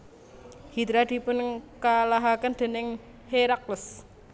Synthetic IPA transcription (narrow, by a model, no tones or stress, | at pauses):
hid̪ɾad̪̥i̤pʊnkalaɦakənd̪̥e̤nɪŋ | heɾaklʊs